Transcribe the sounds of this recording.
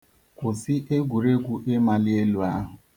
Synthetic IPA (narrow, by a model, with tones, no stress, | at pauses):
kʷʊ˨sɪ˦ʔe˦ɡʷu˨ɾe˦ɡʷu˦ʔe˦ma˦lɪ˦e˦lu˨a˦ɦʊ˨